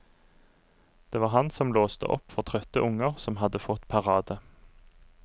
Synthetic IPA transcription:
d̪̥eːʋɑːʁhɑnsɔmloːst̪ə̰ʔɔ̰pfɔʁt̪ʰʁœt̪əʔʊŋəʁsɔmɦɑd̪əfɔt̪pʰɑʁɑːd̪ə

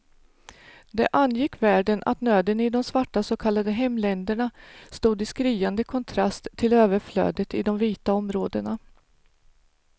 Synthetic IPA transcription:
d̪ɛʔanːjɪkːvæːɖənʔa̰t̪nøːd̪ənɪd̪ɔmsvaʈːasokʰalːad̪əɦɛmːlɛnd̪əɳast̪uːd̪ɪskɾiːand̪əkʰɔnt̪ʰɾast̪ʰːɪløːvəɾflø̰ːd̪ət̪ɪd̪ɔmviːt̪aɔmɾoːd̪əɳa

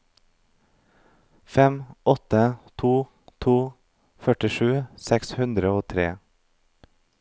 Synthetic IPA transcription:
fɛmʔɔt̪ət̪ʰuː | t̪ʰuː | fœʈɪʃʉːsɛkshʉnd̪ɾəoːt̪ʰɾḛː

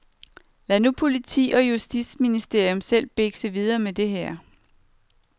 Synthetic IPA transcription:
lænupʰo̝lit͡sʰḭːɒ̽jusd̥isminisd̥e̝ɐ̰jɔmsel̰b̥e̝ɡ̥səʋið̞ˠɐːmed̥e̝ɦæɐ̰

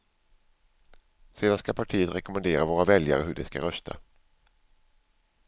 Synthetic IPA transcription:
seːd̪anskapʰaʈʰiːət̪ɾɛkʊmɛnd̪eːɾavoːɾavɛlja̰ɾəɦɵɖɛska̰ɾœst̪ʰa̰

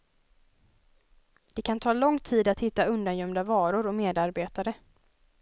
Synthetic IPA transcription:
d̪̥ɛkʰant̪ʰɑːlɔŋt̪ʰiːd̪at̪hɪt̪ːaɵnd̪anjœmd̪avɑːɾʊɾɔmeːd̪aɾbeːt̪aɾə

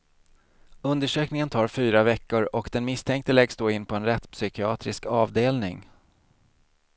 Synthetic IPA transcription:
ɵnd̪əʂøːknɪŋənt̪ʰɑːɾfyːɾavɛkːʊɾɔkd̪ɛnmɪst̪ʰɛŋk̚t̪əlɛɡsd̪oːɪnːpʰɔɛnɾɛt̪ːpsʏkɪɑːt̪ɾɪskɑːvd̪eːlnɪ̰ŋ

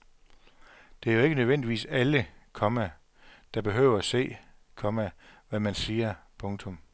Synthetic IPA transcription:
d̥e̝æɐjoe̝ɡ̥ənøðˠʋen̰d̥iʋḭːsæləkʰɒ̽mæ | d̥ɑ̈b̥e̝ɦøːʊ̰ɐæse̝̰ːkʰɒ̽mæʋæmænsiːɐpʰɔ̽ŋt͡sʰɔ̽m

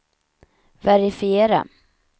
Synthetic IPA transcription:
væɾɪfɪeːɾa̰

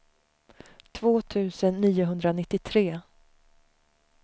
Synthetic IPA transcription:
t̪ʰvoːt̪ʰʉ̟ːsənːiːʊɦɵnd̪ɾanɪt̪ːɪt̪ʰɾeː

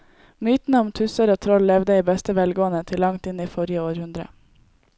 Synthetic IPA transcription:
myːt̪n̩əɔmt̪ʰʉsəɾoːt̪ʰɾɔllɛʋd̪əiːbɛst̪əʋɛlɡoːənət̪ʰɪllɑŋt̪ɪniːfɔɾjəoːɾhʉnd̪ɾə̰

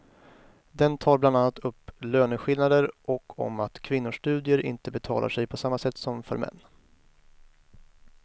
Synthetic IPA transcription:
d̪ɛnt̪ʰɑːɾbland̪anːat̪ʰɵpːløːnəɧɪlnad̪əɾʔɔkʰːɔ̰mat̪kʰvɪnːʊʂʈʉ̟ːd̪ɪəɾɪ̰nt̪əbɛt̪ʰɑ̰ːlʔa̰ʂɛjpʰɔsamːasɛt̪ːsɔmfœ̰ɾmɛ̰nː

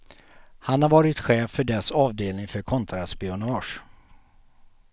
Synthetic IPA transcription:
hanhaɾvɑːɾɪt̪ɧeːfːœɖɛsɑːvd̪eːlnɪŋfœɾkʰɔnt̪ʰɾaspɪʊnɑːʂ

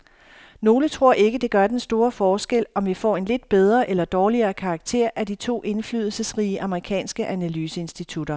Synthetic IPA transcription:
no̝ːlət͡sʰʁo̝ɐ̰ʔe̝ɡ̥əd̥e̝ɡ̥ɶɐd̥ensd̥o̝ːɐfɒːsɡ̥el̰ɒ̽mʋifɒ̰ːe̝nle̝d̥̚b̥eð̞ˠʁɐʔelɐd̥ɒːliɐːkʰɑ̈ːɡ̥̚t͡sʰe̝ɐ̰ʔæd̥it͡sʰo̝̰ːʔe̝nflyðˠl̩səsʁiːəʔɑ̈məʁikʰɛ̰ːnsɡ̥əʔænælyːsəe̝nsd̥it͡sʰud̥ɐ

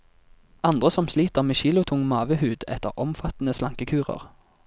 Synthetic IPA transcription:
ɑnd̪ʁəsɔmsliːt̪əʁmeːʃiːlʊt̪ʰʊŋmɑːʋəhʉːd̪ɛ̰t̪əʁʔɔmfɑt̪n̩əslɑŋkəkʰʉːʁə̰ʁ

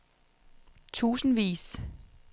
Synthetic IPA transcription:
t͡sʰṵːsn̩ʋḭːs

